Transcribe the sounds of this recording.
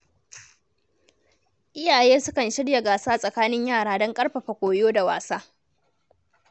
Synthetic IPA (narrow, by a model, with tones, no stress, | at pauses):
ʔɪ˦jaː˨jeː˦sʊ˦kɐ˨nʃɪ˦ɽja˨ɡaː˨saː˦sʼɐ˨kaː˦nɪ˦ɲjaː˦˨ɽaː˦dɔ˦ŋkʼɐ˦ɽɸɐ˨ɸa˨kʷoː˨joː˦da˨wa̰ː˨saː˦